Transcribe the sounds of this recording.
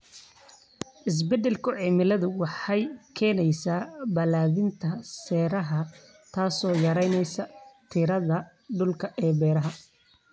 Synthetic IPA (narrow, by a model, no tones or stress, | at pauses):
ʔɪs̬bɛdɛlkʰʊʕiːmɪlɐðʊwɑħɑjkʰɛːnɛjsaːbɐlaːðɪnt̪ʰɐsɛːɾɐɦɐ | t̪ʰaːsɔːjɐɾɛjnɛjsɐt̪ʰɪɾɐðɐ | ɖʊlkʰɐʔɛːbɛːɾɐɦɐ